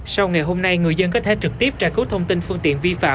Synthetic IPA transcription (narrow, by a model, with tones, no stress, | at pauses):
sa˧wŋa˨˩jɦo˧mna˧jŋɨ˨˩əzə˧nkɔ˨˦t̪ʰe˧˩t͡ɕɨ˨˩k̚t̪i˦˥əp̚t͡ɕa̰ː˧˨jku˦˥t̪ʰə˧wŋ͡mt̪i˧nfɨ˧əŋt̪ḭ˧˨ənvi˧fa̰ː˧˨